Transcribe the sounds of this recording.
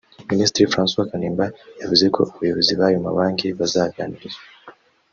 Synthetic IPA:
ministɾifɾanswakanimbajavizikʰɔ̰ujɛviziβajuma̰waŋɡiβazaːvjanizɔ

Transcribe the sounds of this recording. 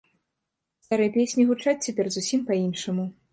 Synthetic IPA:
st̪aɾɨjpʲesʲnʲiɣut͡ʂat͡sʲt͡sʲapʲɛrzusʲimpɐinʂɐmu

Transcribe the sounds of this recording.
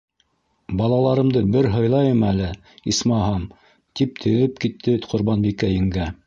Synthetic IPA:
bɑlˠɑlˠɑɾɤ̆md̪ɤbɘɾɦɤ̆jlˠɑjɤmælɘ | ismɑɦɑm | t̪ip̚t̪ʰɘ̆ðɘp̚kit̪ʰːɘqʰŏɾβɑnbikæjɘ̆ŋɡæ

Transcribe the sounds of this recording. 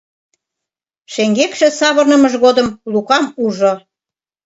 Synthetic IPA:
ʃeŋɡekʃĕsɑβɤrnə̆məʒɣod̪ə̆mlukɑmuʒo

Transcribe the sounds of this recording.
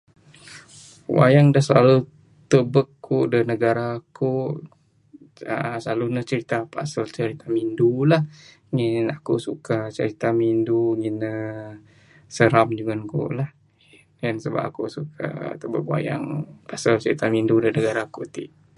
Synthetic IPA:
wa̰jaŋdahsəlalu | t̪əbəkːuʔdənəɡaɾaku | ə̰slalunəht͡ʃəɾit̪apa̰salt͡ʃəɾit̪amindulah | ŋinakuʔsukat͡ʃə̰ɾit̪aminduŋinːə | səɾamd͡ʒuŋənkṵʔlah | jənsəba̰pakusukʰa̰t̪əbək̚wa̰ja̰ŋpasəlt͡ʃəɾit̪amindudənəɡaɾakut̪iʔ

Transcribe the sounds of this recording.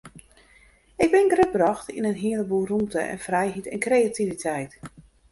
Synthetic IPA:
ɪɡ̚bɪnɡrøt̚brɔxtinənɦiələburumtəʔɛ̰nfrɛjɦitɛnkrejativitʰɛjt

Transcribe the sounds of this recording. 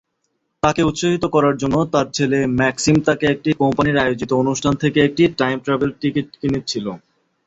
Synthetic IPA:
t̪akeut̪ːʃoɦit̪okɔɾaɾd͡ʑonːot̪aɾt͡ɕʰelemɛksimt̪akeek̚ʈikɔmpaniɾajod͡ʑit̪oonuʃʈʰant̪ʰekeek̚ʈiʈajmʈɾabelʈikiʈ̚kinit͡ɕʰilo

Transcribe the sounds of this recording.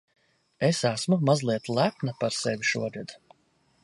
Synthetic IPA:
esæsmumazlˠiɛt̪lˠæpnapaɾsevʲiʃuɔɾɨd̪

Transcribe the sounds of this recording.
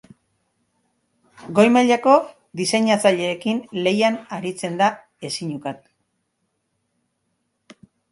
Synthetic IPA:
ɡo̞jmaʎako̞ | d̪ise̞ɲat͡saʎe̞ːkinle̞janaɾit͡se̞nd̪a | e̞siɲukat̪̚

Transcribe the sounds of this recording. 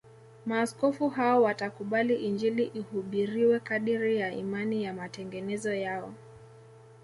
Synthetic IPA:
maːskɔfuɦaɔwatakuɓaliʔind͡ʒiliʔihuɓiɾiwɛkaɗiɾijaḭmanijamatɛŋɡɛnɛzɔjaɔ̰

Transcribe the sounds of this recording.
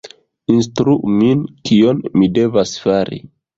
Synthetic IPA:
instɾuʔminkionmide̞vasfaɾḭ

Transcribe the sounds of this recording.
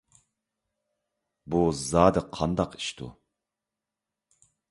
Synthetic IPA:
buzɑːd̪ɨqʰɑnd̪ɑqi̥ʃt̪ʰṵ

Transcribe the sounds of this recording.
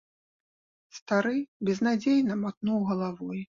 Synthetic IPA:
st̪aɾɨbʲɛznad͡zʲejnɐmat̪nuwɣɐlˠavɔj

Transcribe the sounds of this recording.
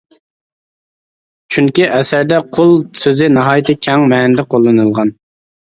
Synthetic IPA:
t͡ʃʰyŋkʲiʔɛsæɾd̪ɛqʰolˠsøzɪnɑɦɑːjt̪ʰɨkʲʰɛŋmɛːnɪd̪ɛqʰolˠːɨnɨlˠʁɑn

